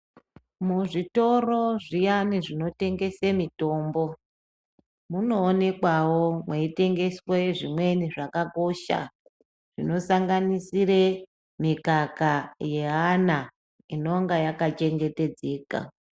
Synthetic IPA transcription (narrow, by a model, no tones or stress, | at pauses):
muʐito̞ro̞ʐijaniʐino̞te̞ŋɡe̞semito̞ːmbo̞ | muno̞ːne̞kwawo̞mweite̞ŋɡe̞sweʐimwe̞niʐakako̞ʃa̰ | ʐ̥ino̞saŋɡanisire | mikakaje̞ɦana | ino̞ŋɡajakat͡ʃe̞ŋɡe̞te̞d͡ze̞ːka̰